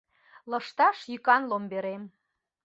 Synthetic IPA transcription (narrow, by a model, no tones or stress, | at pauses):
lɤ̆ʃt̪ɑʃjykɑnlombeɾem